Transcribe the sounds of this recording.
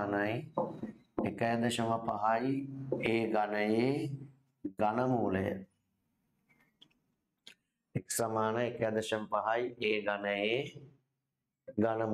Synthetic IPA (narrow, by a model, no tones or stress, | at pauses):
nɐj | ekɐjad̪əʃəməpɐɦajeːɡanəjeː | ɡanəmuːləjə̰ | eksamaːnəekɐjad̪əʃɐməpɐɦɐjeːɡanəjeː | ɡanəm